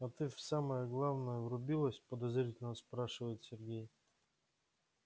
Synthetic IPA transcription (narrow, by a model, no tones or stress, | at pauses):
ɐt̪ɨfsaməjəɡlˠavnəjəvɾʊbʲilˠəsʲt̚ʲpəd̪ɐzɾʲitʲɪlʲnəspɾaʂɨvəjɪt̪sʲɪrɡʲej